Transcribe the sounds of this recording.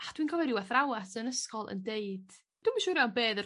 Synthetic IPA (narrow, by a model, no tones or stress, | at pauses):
ad̥winkʰɔvɛɾɪwɛθrawasənəskɔlˠʔə̰ndeɨd̥ | d̥umaʃuːɾjawnbeːðə